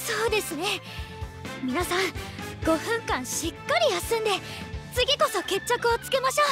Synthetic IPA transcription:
soːd̪e̞sɨne̞ | mʲinasãŋɡ̥o̞ɸɯ̟̃ŋkãɰ̃ɕikːaɾʲijasɨ̃nd̪e̞ | t͡sɨɡʲiko̞so̞ke̞t͡ɕːakɯ̟ot͡sɨ̥ke̞maɕoː

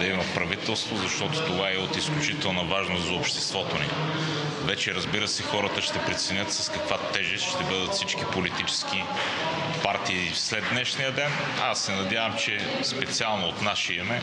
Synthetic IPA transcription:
d̪ɐimɐpɾɐvit̪ɛlˠst̪vozɐʃt̪ɔt̪ot̪ovaɛot̪isklʲut͡ʃit̪ɛlˠnəvaʒnoszɐopʃt̪ɛst̪vɔt̪onḭ | vɛt͡ʃɛɾəzbiɾəsɛxɔɾət̪əʃt̪ɛpɾɛt̪sɛnʲət̪sɐskɐkvat̪ɛʒɛsʃt̪ɛbɤd̪ət̪fsit͡ʃkipolit̪it͡ʃɛ̥sk̟i | paɾt̪iː | slɛd̪nɛʃnijəd̪ɛn | asːɛnɐd̪ʲjavɐmt͡ʃɛ | spɛt̪sialˠnoot̪naʃiimɛ

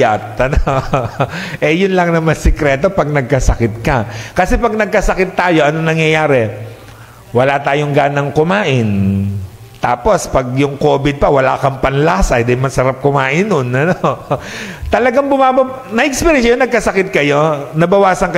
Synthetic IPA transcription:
at̪ɐno | ʔɛjʊnlɐŋnɐmɐsɛkɾɛːt̪o̞pɐɡ̚nɐɡ̚kɐsɐkɪt̪̚kɐkɐsɛpɐɡ̚nɐɡ̚kɐsɐkɪt̪ːaːjo̞ʔɐnonɐŋjɐjaːɾɛ | wɐlat̪aːjoŋɡaːnɐŋkʊmaːʔɪn | t̪aːpo̞spɐɡ̚jʊŋko̞ːbɪd̪̚pɐwɐla̰kɐmpɐnlaasʔɐjd̪ɪnmɐsɐɾap̚kʊmaːʔɪnːonɐno | t̪ɐlɐɡaŋbʊmaːbɐ | nɐʔɛk̚spɛɾjɛnɐjonɐɡ̚kɐsɐkɪt̪̚kɐjo̞nɐbɐwaːsɐŋkɐ

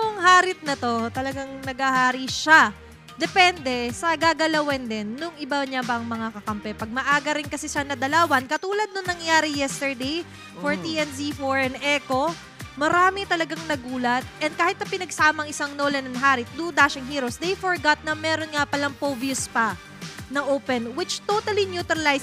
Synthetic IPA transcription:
nʊŋhaːɾɪt̪̚nɐt̪o̞t̪ɐlɐɡaŋnɐɡɐhaːɾiʃa | d̪ɛpɛnd̪ɛsɐɡaːɡɐlɐwɛnd̪ɛnːʊŋɪbaɲabɐʔɐŋmɐŋakɐkɐmpɛpɐɡ̚mɐʔaːɡɐɾɪnkɐsɛsɐnɐd̪ɐlaːwɐnkɐt̪uːlɐd̪̚nʊŋnɐŋjaːɾɪjɛst̪ɛɹd̪ej | foɹt̪iʔɛnzifoɹɛnʔɛːko̞ | mɐɾaːmɪt̪ɐlɐɡaŋnɐɡuːlɐt̪̚ʔɛn̚kaːhɪt̪̚nɐpɪnɐɡsaːmɐŋʔɪsaŋnolɛnɐnɦaːɾɪt̪̚d̪ud̪aʃɪŋɦiːɾosd̪ejfoɹɡat̪̚nɐmɛːɾonŋapɐlaŋpoviʊspɐ | nɐʔoːpɛnwɪt͡ʃt̪ot̪ɐlinjuːt̪ɾɐlajs

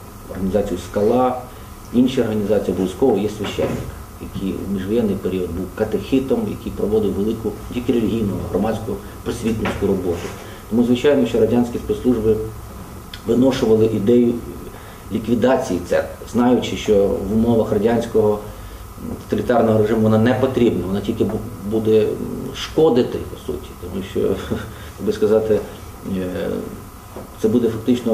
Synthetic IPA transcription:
ɔ̰rɦɐnʲizɑt͡sʲijʊskɐlˠɑ | inʃiɔrɦɐnʲizɑt͡sʲijɐbɔlʲˠisʲkɔɦɔjɛsʲʋʲɐʃɛ̰nːɪk | jɐkʰijṵmʲiʒʋɔjɛnːɪjpeɾʲiɔd̪̚buwkɐt̪exʲɪt̪ɔmjɐ̰kijpɾɔʋɔd̪ɪwʋelˠɪkʊdʲikɪɾɪlʲiɦʲijnʊʊɦrɔmɑsʲkʊ | pɾɔsʲʋʲit̪nɔsʲkʊɾɔbɔt̪ʊ | t̪ɔmuzʋɪt͡ʃɑjnɔʃt͡ʃɔɾɐdʲɑnʲsʲkʲispet̪slˠuʒbɪ | ʋɪnɔʃʊʋɐlˠɪʔid̪ɛjʊ | lʲikʋʲid̪ɑt͡sʲijit̪sɛ̰t̪znɑjʊt͡ʃɪʃt͡ʃɔʋʊmɔʋɐxrɐdʲɑnʲsʲkɔɦɔ | t̪ɔ̥t̪ɐlʲit̪ɑrnɔɦɔɾeʐɪmʊʋɔnɑnɛpɔt̪ɾʲibnɐʋɔnɑtʲilʲkɪbud̪ɛʃkɔd̪ɪt̪ɪpɔ̥sṵtʲi̥t̪ɔmuʃt͡ʃɔ̰ | jɐɡ̚bɪskɐzɑt̪ɪ | t̪sɛbud̪ɛfɐk̚t̪ɪt͡ʃnɔ

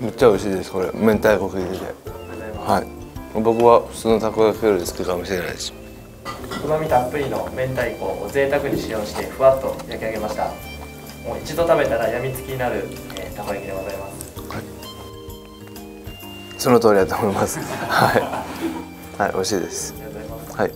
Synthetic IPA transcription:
met̪̚t͡ɕːaoɾiɕiːd̪e̞sɨ̥ko̞ɾe̞̰mẽ̞nt̪aikokɯ̟ɡiɡ̪et̪e̞̰hai | mabo̞kɯ̟βaɸɯ̟̥t͡sɨːnot̪akoakjoɾesɨ̥kɯkamoɕiɾe̞na̰id̪eɕi̥ma | kɯ̟mamʲit̪ampɯ̟ɾʲino̞mẽ̞nt̪aiko̞̰ːo̰ze̞ːt̪akɯ̟ɲ̟iɕijo̞ːɕi̥t̪e̞ɸɯ̟βat̪ːo̞jakʲeaɡe̞maɕi̥t̪a̰ | mo̞ːit͡ɕid̪o̞t̪abe̞t̪aɾajamʲit͡sɨ̥kʲiɲinaɾɯ̟ | et̪akoakʲid̪eɡozaimasɨ̥hai | so̞not̪o̞ːɾʲid̪at̪oːmoimasɨ̥hai | haḭʔo̞ɾiɕiːd̪e̞sɨ̥hai

